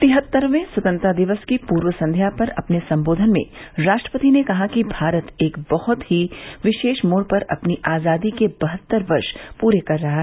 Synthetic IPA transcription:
t̪ɪɦət̪ːəɾmẽswɐt̪ə̃nt̪ɾad̪ɪʋəskipuːɾʋəsɐ̃nd̪ʱjapɐɾɐ̰pnesɐ̃mboːd̪ʱənmḛ̃ɾaːʃʈɾəpət̪inekɐɦakibʱaːɾət̪eːkbɐhʊt̪ɦiʋɪʃeːʃmoːɾpɐɾɐ̰pniʔaːzaːd̪ikebɐɦət̪ːəɾʋɐɾʃpuːɾekɐɾːɐɦa

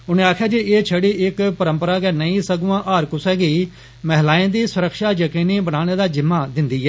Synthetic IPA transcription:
ʊnẽːaːkʰjaːd͡ʒeːeːt͡ʃʰəɽiːʔɪkpəɾəmpəɾaːɡɛːnəĩːsəɡũːãːʔaːɾkʊsɛːɡeː | mɛɦlaːẽːd̪iːsʊɾəkʃaːjəkiːniːbənaːɽ̃eːd̪aːd͡ʒɪmːaːd̪ɪnd̪iːɦɛː

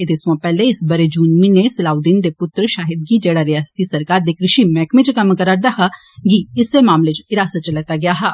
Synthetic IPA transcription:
ed̪esʋãːpɛːleɪsbəɾed͡ʒuːnminesəlaːud̪iːnd̪eːpʊt̪ɾʃaːɦɪd̪̚ɡiːd͡ʒeːɽaːɾɪjaːsə̥t̪isəɾkaːɾd̪iːkɾɪʃiːmɛ̃ːkmẽt͡ʃkəmkəɾəɾd̪aːɦa | ɡiɪseːmaːmlet͡ʃɪɾaːsat͡ʃəlɛːt̪aːɡɪjaːɦaː

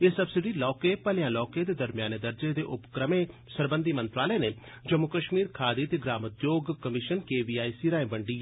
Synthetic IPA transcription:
eːsəbsɪɖiːlɔːkeːpəljãːlɔːkeːd̪eːd̪əɾmɪjaːned̪əɾd͡ʒed̪eːʔʊpkɾəmẽː | səɾbə̃nd̪iːmə̃nt̪ɾaːləneː | d͡ʒəmːʊkəʃmiːɾkʰaːd̪it̪eɡɾaːmʊt̪joːɡkəmɪʃənkeːbiːaːisiːɾãːẽːbəɳɖiː

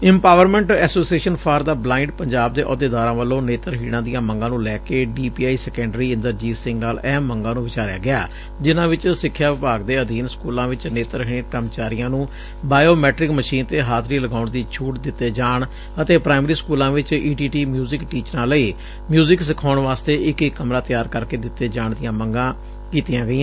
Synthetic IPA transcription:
ɪ̃mpaːʋəɾmɛ̃ɳʈɛːsoːsieːʃənpʰaːɾd̪aːblaːɪ̃ɳɖpəɲd͡ʒaːb̚d̪eːʔɔ̰ːd̪eːd̪aːɾãːʋəlõːneːt̪əɾɦiːɽ̃ãːd̪ijãːməŋɡãːnũːlɛːkeːɖiːpiːaːiːsɛːkɛ̃ːɳɖɾiːɪ̃nd̪əɾd͡ʒiːsɪ̃ŋɡnaːlɛːmːəŋɡãːnũːʋɪt͡ʃaːɾeja̰ːɡɪaː | d͡ʒɪnãːʋɪt͡ʃsɪkʰːjaːʋɪpaːɡd̪eːəd̪iːnskuːlãːʋɪt͡ʃneːt̪əɾɦĩːẽʈəmt͡ʃaːɾijãːnũː | baːjoːmɛːʈɾɪkməʃiːnt̪eːɦaːt̪ʰɾiːləɡaːʊɳd̪iːt͡ʃʰuːʈd̪ɪt̪ːeːd͡ʒaːɳ | ət̪eːpɾaːɪmɾiːskuːlãːʋɪt͡ʃiːʈiːʈiːmjuːzɪkʈiːt͡ʃɾãːləiː | mjuːzɪksɪkʰaːʊɳʋaːst̪eːɪkɪkːəmɾaːt̪ɪjaːɾkəɾkeːd̪ɪt̪ːeːd͡ʒaːɳd̪ɪjãːməŋɡãː | kiːt̪ɪjãːɡəiːãː

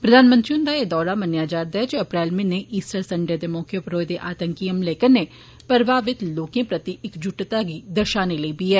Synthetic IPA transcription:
pɾəd̪ʱaːnmə̃nt̪ɾiʊ̃nd̪aːeːd̪ɔːɾamənjaːd͡ʒaːɾd̪aːɛd͡ʒeəpɾɛːlmẽːneʔiːsʈəɾsəɳɖəɾd̪eːmɔːkʰjəpʰəɾoːjd̪eːʔaːt̪ə̃ŋkijəmleːkəɾnːe | pəɾbaːʋɪt̪loːkẽːpɾət̪iɪkd͡ʒʊʈt̪aɡiːd̪əɾʃaːneləibiːɛː

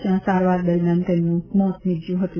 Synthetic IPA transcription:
jãsaɾʋaɾd̪əɾmjant̪ɛ̃mũmɔ̃t̪nid͡ʒjũɦət̪ũ

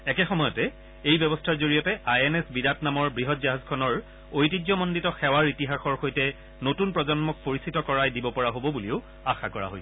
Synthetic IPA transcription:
ɛkɛxɔmɔjɔtɛ | ejbjɛbɔstʰaɹzoɹijɔtɛʔajɛnɛsbidatnamɔɹbɹiɦɔtzaɦazkʰɔnɔɹ | ojtid͡ʒɔmɔnditɔxɛwaɹitiɦaxɔɹxojtɛ | notunpɹɔzɔnmɔk̚poɹisitɔkɔɹajdibɔpɔɹaɦobɔbuliʊ | axakɔɹa̰ɦo̰j

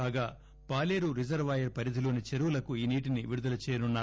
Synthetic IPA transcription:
aːɡaː | paːleːɾuɾid͡ʒɐɾʋɐːjɐɾpɐɾid̪ʱilo̞ːnit͡ʃeɾuwulɐkuiːniːʈ̬iniʋiɾud̪ɐlɐt͡ʃɛːjɐnunːaː

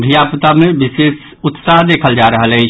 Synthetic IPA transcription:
d̪ʱijapt̪amebises | ʊt̪saɦd̪eːkʰəld͡ʒaɾəɦələɪt͡ʃʰ

